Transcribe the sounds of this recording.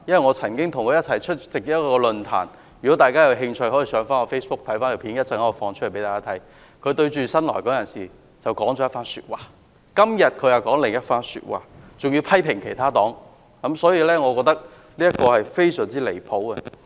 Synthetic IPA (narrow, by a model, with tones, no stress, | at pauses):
jɐ˥nwɐ˨˩jŋɔː˨˧t͡sʰɐ˨˩nkɪ˥ŋt̪ʰʊ˨˩ŋkʰɵ˨˧jɐ˥t̚t͡sʰɐ˨˩jt͡ʃʰɵ˥t̚t͡sɪ˨k̚jɐ˥tkɔ˧lɵ˧nt̪ʰa̰ː˨˩n | jy˨kɔ˨˥t̪aː˨jkaː˥jɐ˨˧wɦɪ˧ŋt͡ʃʰɵ˧ɥhɔː˨˥jiː˨˧˩sœː˨˧ŋfaː˥ŋɔ˨˧fe˥jspʊ˥k̚t̪ʰɐ˨˥jfaː˥nkʰe˨˩pʰi˨˥njɐ˥t̚t͡sɐ˨ŋa˨˥ɔ˨˧˩fɔː˧ŋt͡ʃʰlpe˨˦jt̪aː˨˩kaː˥t̪ʰɐ˨˥j | kʰɵ˧ɥt̪ɵ˧ɥt͡ʃyː˨˩sɐ˥nlɔ̰˨˩jkɔː˨˥jɐ˨˩nsiː˨ | t͡sɐ˨˩wkɔː˨˥ŋt͡ʃɔː˨˥jɐ˥tfaː˥nsy̰ː˧t̚waː˨˩ | kɐ˥mjɐ˨t̚kʰɵ˨˧jɐ˨˩kɔː˨˥ŋlɪ˨ŋjɐ˥t̚faː˥nsy̰ː˧t̚wa̰ː˨˩t͡sʊ˨ŋji˧wpʰɐ˥jpʰɪ˨˩ŋkʰe˨˩jt̪ʰaː˥t̪ɔː˨˥ŋ | kɐ˨˦˥msɔː˨˥jiː˧lɛː˥ŋɔ˨˧kɔː˧k̚t̪ɐ˥k̚ | liː˥jɐ˥t̚kɔː˧hɐ˨jfe˥jsœː˨˩ŋt͡siː˥le˨˩jpʰo˨˥wkɛ˧